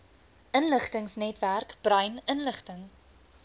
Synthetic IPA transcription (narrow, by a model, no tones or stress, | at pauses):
ʔənləχtəŋsnɛtværkb̥rœjnənləχtəŋ